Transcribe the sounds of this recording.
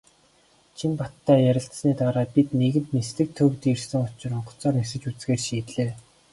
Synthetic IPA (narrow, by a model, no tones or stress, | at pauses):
t͡ɕʰimpat̪ːæːjæɾʲɪ̆ɬt̪sniːt̪aːɾaːpit̪neɣɘ̆nt̪nesɮɘ̆k̚t̪ʰɵwt̪irsɘ̆ŋʊt͡ɕɪ̆rʊɴɢɞ̥̆t͡sɔːrnesɘ̆t͡ɕut͡sɡeːrʃiːt̪ɮeː